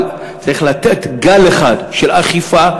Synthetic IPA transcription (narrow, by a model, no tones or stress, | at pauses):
l | t͡saʁiχlat̪etɡaleχadʃelaχifa